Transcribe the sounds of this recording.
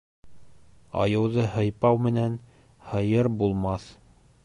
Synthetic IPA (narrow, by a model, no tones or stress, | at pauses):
ɑ̰jɤ̆wðɤhɤ̆jpɑwmɘ̆næn | hɤ̆jɤɾbulˠmɑθ